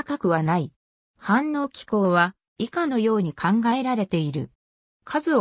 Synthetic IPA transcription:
kakɯ̟βanai | hãnːo̞ːkʲi̥ko̞ːβa | ikano̞jo̞ːɲ̟ikʰãŋɡae̞ɾaɾe̞t̪e̞iɾɯ̟̰ | kʰazɨo

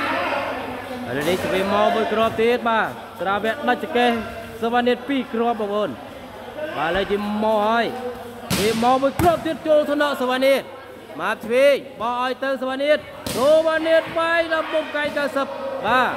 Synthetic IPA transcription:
ʔaləniht̪ʰʋiːmɔːmuəjkroəp̚t̪iət̪̚ɓaː | sraːʋɛəʔɗəc̚t͡ɕːakeh | soʋaːniət̪̚piːkroəp̚ɓɔkʔoːn | ɓaːlət͡ɕiəmɔːhaəj | keːmɔːmuəjkroəp̚t̪iət̪̚t͡ɕoːlt̪ʰnɑʔsoʋaniət̪̚ | maːp̚t̪ʰʋeːɓɑːʔaɔjt̪ɨwsoʋaːniət̪̚ | soːʋaːniət̪̚ɓajɗɑmɓomkaŋkawsəp̚ɓaː

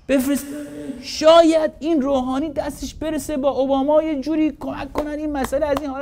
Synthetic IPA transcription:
b̥efɾesʃɒːjæd̪iːnroːɦɒːniːd̪æst̪eʃbe̞ɾese̞bɒːʔobɒːmɒːje̞d͡ʒuːɾiːkʰomæ̰kʰːonænd̪iːnmæsæleæziːnhɒːl

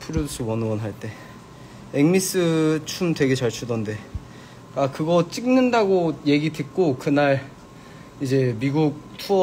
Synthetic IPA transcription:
pʰɯɾjodosʰowʌnɯʌnɦaɭt͈e̞ | eŋmis͈ɯt͡ɕʰumtwe̞ɡe̞t͡ɕaɭt͡ɕʰudʌnde̞ | k͈akɯɡʌt͡ɕ͈iŋnɯndaɡoje̞ɡidek͈okɯnaɭ | id͡ʑe̞miɡuk̚tʰuʌ

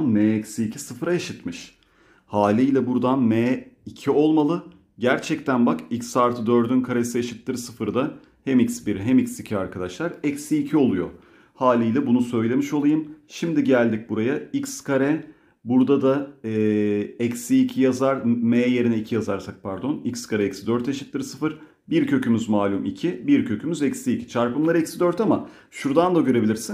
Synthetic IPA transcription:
nmeːɛcsiːcʰisɯfɾajaʃɯt̪mɯʃ | haːlʲijlʲɛbuɾd̪anmɛːicʰio̞lˠmalˠɯ | ɟæɾt͡ʃʰɛct̪ʰænbakicsaɾt̪ʰɯd̪ø̞ɾd̪ynkʰaɾe̞sijaʃɯt̪ʰːɯɾsɯfɯɾɯd̪a | hemicsbiɾɦemicsicʰiaɾkʰad̪aʃlˠaɾɛcsiːcʰio̞lˠujo̰ | haːlʲijlʲɛbunusø̞jlʲe̞miʃo̞lˠajɯmʃimd̪iɟælʲd̪ic̚buɾajaikskʰaɾɛ | buɾd̪ad̪aɛːɛcsiːcʰijazaɾmeːje̞ɾinɛicʰijazaɾsak̚pʰæɾd̪o̞nicskʰaɾɛɛcsid̪øɾt̪jaʃɯ̥t̪ːˠɯɾɯsɯfɯɾ | biɾcʰø̞cʰymyzmaːlʲumicʰibiɾcʰø̞cʰymyzɛcsiːcʰi̥t͡ʃʰaɾpɯmlˠaɾɯicsid̪øɾt̪ama | ʃuɾd̪and̪aɡɟø̞ɾe̞bilʲiɾsin

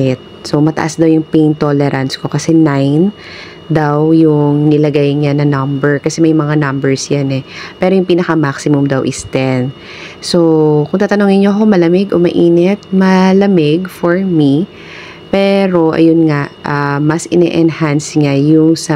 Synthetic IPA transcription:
ɪt̪̚so̞mɐt̪ɐ̰ʔasd̪ɐwjʊŋpejnt̪olɛɾɐnsko̞kɐsɛnajn | d̪awjʊŋnɪlɐɡajɲanɐŋnɐmbɛɹkɐsɛmɐjmɐŋanɐmbɛɹsjanɛpɛːɾojʊŋpiːnɐkɐmaksɪmʊmd̪ɐwʔɪst̪ɛn | sokʊŋt̪aːt̪ɐnoŋɪnɲoʔɐko̞mɐlɐmɪɡʔomɐʔiːnɛt̪̚mɐlɐmɪɡfoɹmi | pɛːɾo̞ʔɐ̰jonŋaʔʔamɐsʔɪnɛ̰ʔɛnhansŋajʊŋsɐ

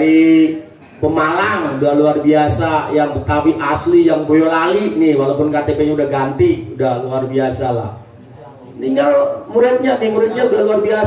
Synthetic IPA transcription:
ɾi | pəmalaŋudahluarbiasajaŋt̪ət̪apiʔaslijaŋbojolalinɪhwalapʊnkat̪epeɲaudahɡant̪iudahluarbiasalah | niŋɡalmuɾɪt̪̚ɲanɪmuɾɪt̪̚ɲaudahluarbia

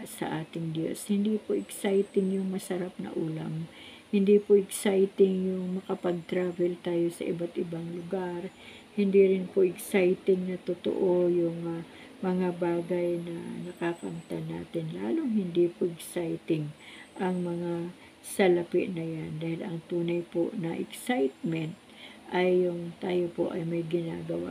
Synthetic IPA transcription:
sɐ̰ʔaːt̪ɪŋd̪jo̰shɪnd̪iːpoʔɪksajt̪ɪŋjʊŋmɐsɐɾap̚nɐ̰ʔuːlɐ̰m | hɪnd̪iːpoʔɛɡsajt̪ɪŋjʊŋmɐkɐpɐɡ̚t̪ɾaːvɛlt̪aːjo̞sɐ̰ʔɪbat̪ʔɪbaŋlʊɡaɾ | hɪnd̪iːɾɪnpoʔɪɡsajt̪ɪŋnɐt̪ʊt̪o̰ʔojʊŋɐ | mɐŋabaːɡɐjnɐnɐkakɐmt̪ana̰ːt̪ɪnla̰ːloŋhɪnd̪ipoʔɛksajt̪ɪŋʔɐŋmɐŋa | sɐlɐpɪ̰ʔnɐjand̪aːhɪlɐŋt̪uːnɐjpo̰nɐʔɛksajt̪̚mɛnt̪̚ | ʔɐjːʊŋt̪aːjopo̞̰ʔɐjmɐjɡɪna̰ːɡɐwa̰

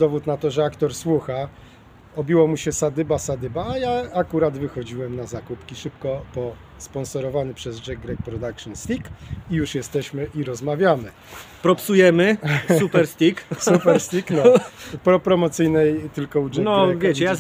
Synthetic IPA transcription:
d̪ɔvut̪nat̪ɔʐɛakt̪ɔɾswuxa | ɔbʲiwɔmuɕɛsad̪ɘbasad̪ɘbaːjaakuɾad̪vɘxɔd͡ʑiwɛmnazakupkʲiʂɘpkɔpɔ | spɔnsɔɾɔvanɘpʂɛzd͡ʐɛɡɾɛk̚pɾɔd̪akʂɨnst̪ʲikijuʂjɛst̪ɛɕmɘʔiɾɔzmavʲjamɘ | pɾɔpsujɛmɘsupɛɾst̪ʲiksupɛɾst̪ʲiknɔpɾɔpɾɔmɔt̪sɘjnɛjt̪ɘlkɔud͡ʐɛnɔavkʲjaet͡ɕɛja

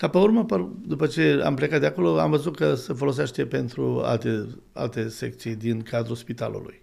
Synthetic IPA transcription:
kapeurməpəd̪upət͡ʃe̞a̰mplekat̪̚d̪eako̞lo̞a̰mvəzut̪̚kəse̞fo̞lo̞s̬eʃt̪e̞pe̞nt̪ɾua̰lt̪e | a̰lt̪e̞se̞k̚t̪sijd̪inkad̪ɾuspit̪a̰lṵlṵj

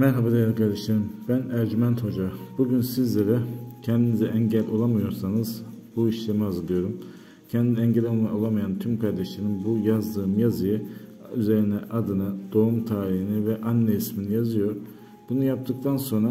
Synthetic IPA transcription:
mæɾɦabad̪ajlˠkʰaɾd̪eʃt̪ʰeɾɯmb̥ænæɾd͡ʒimænt̪ho̞d͡ʒabuɟynsizlʲeɾɛcʰɛnd̪inizɛʔɛɲɟælʲʔo̞lˠamɯjo̞ɾsanɯz | buiʃlʲemiazɯlˠɯjo̞ɾum | cʰɛnd̪iniɛɲɟlʲolˠmaolˠamajant̪ʰymkʰaɾd̪ɛʃlʲeɾinbujazd̪ɯːmjazɯjɯ | yze̞ɾinɛʔad̪ɯnɯd̪̥o̞umt̪ʰaːɾihinivɛʔanːɛisminijazɯjo̞ɾ | b̥unujap̚t̪ʰɯk̚t̪ʰanso̞nɾa

